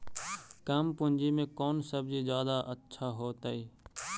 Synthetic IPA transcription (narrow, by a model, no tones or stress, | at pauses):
kəmpʊnd͡ʒimẽkɔːnsəbd͡ʒizjaːd̪aʔətːʃʰaɦoːt̪aiː